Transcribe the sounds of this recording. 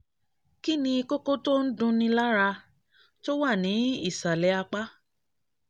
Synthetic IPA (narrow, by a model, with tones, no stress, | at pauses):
ki˦nĩ˧i˧ko˦ko˦to˦n̩˦dũ˧nĩ˧la˦ɾa˧ | to˦wa˦˨nĩ˨˦i˦˨sa˨lɛ˨˦a˧k͡pa˦